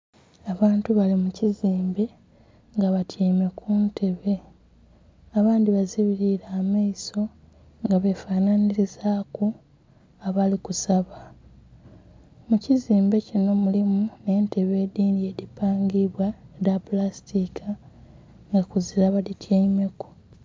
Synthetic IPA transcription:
aβaːntuβalimuciziːmbe̞ | ŋɡaβatjaime̞kʰuntʰe̞βe̞ | aβaːndiβaziβiɾiɾaːmaiso̞ | ŋɡaβe̞faːnaniɾizaːko | aβalikusaβa | muciziːmbe̞cino̞mulimune̞ːnte̞βe̞ːdiːndie̞dipaːŋɡiβwadapulastʰikʰa | ŋɡakuziɾaβalitjaime̞ku̥

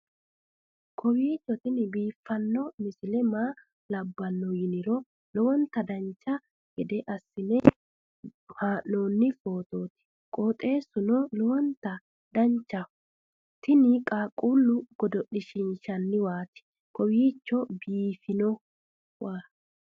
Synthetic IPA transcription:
kʰɔwiːt͡ʃːɔt̪ɪnɪbiːfːɐnːɔmɪsɪlɛmaː | lɐbːɐnːɔjɪnɪɾɔ | lɔwɔnt̪ɐd̪ɐnt͡ʃːɐ | ɡɛd̪ɛʔɐsːɪnɛ | haːʔno̞ːnːɪfoːt̪o̞ːt̪ɪ̥ | kʼoːt̪ʼe̞ːsʊnɔlɔwɔnt̪ɐ | d̪ɐɲt͡ʃːɐ | t̪ɪnɪkʼaːkʼulːʊɡ̥ɔd̪ɔɗɪʃɪnʃɐnːɪwaːt̪ɪ̥ | kɔwiːt͡ʃːɔbiːfɪnɔ | waː

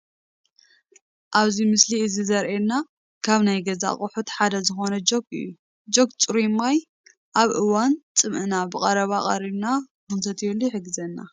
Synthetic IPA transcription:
ʔaβzimɨsliɨzizɐɾʔelna | kʰaβnajɡɐza̰χʼʊħut̪ħad̪ɐzɨxo̞nɐd͡ʒo̞ɡɨ̰jːu | d͡ʒo̞kt͡sʼɨɾimaj | ʔaβʔɨwant͡sʼɨmʔɨnabɨkʼɐɾɐβakʼɐ̰ɾiβna | kɨnt̪ʰɐt̪ʰjelːuħɨɡɨzɐnːa̰

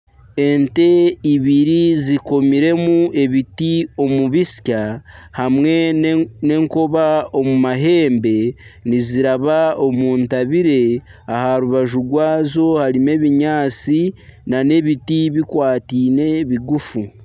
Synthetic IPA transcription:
e̞nte̞iβiɾiziko̞miɾe̞mue̞βitio̞muβisi̥cahamwe̞ne̞ŋko̞βao̞mumaɦe̞ːmbe̞niziɾaβao̞muːntaβiɾe̞ | ahaɾuβaʒuɡwaːzo̞haɾime̞βiɲaːt͡sinane̞βitiβikwaːtiːne̞βiɡufu

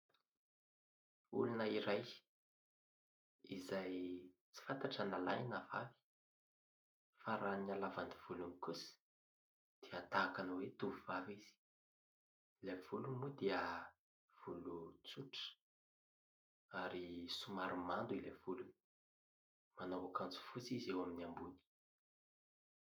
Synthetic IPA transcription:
ṵlunəiɾaj | izajt͡si̥fant̪aʈ͡ʂanalajinavavi̥ | faɾanialavand̪iv̥ulunikusi̥ | d̪̥eat̪aːkanwet̪uvuvaviz̥i̥ | levulumud̪iə | v̥ulut͡suʈ͡ʂə̥ | aɾisumaɾimand̪uilev̥uluni | manawakant͡su̥fut͡sizewaminiambuni̥

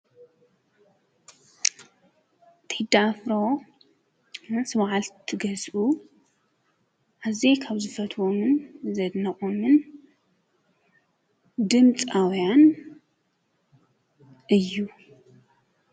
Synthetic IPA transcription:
t̪ʰħɨd̪afɾo | ɨnsɨβaʕalt̪ʰɨɡɐzʔu | ʔazekʰaβzɨfɐt̪ʰwomɨnzɐd̪nɐχʼomɨn | d̪ɨmt͡sʼawjan | ʔɨjːu

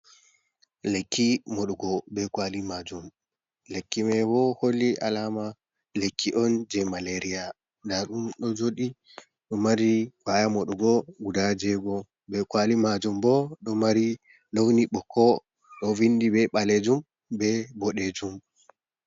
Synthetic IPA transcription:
lekʰːimɔɗuɡɔbɛkwalimad͡ʒum | lekːimɛwɔholːiʔa̰lama | lekʰːiʔɔnd͡ʒɛmaleɾija | ndaɗumɗɔd͡ʒoɗi | ɗɔmaɾiwajamoɗuɡɔɡudad͡ʒɛɡɔ | bɛkwalimad͡ʒumbɔɗɔmaɾi | lowniɓɔkʰːɔ | ɗɔvindibɛɓaled͡ʒum | bɛbɔɗed͡ʒum

